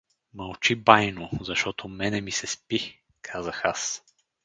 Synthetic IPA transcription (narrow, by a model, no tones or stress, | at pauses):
mɐlˠt͡ʃibajnozɐʃt̪ɔt̪omɛnɛmisɛspi | kʰazəxas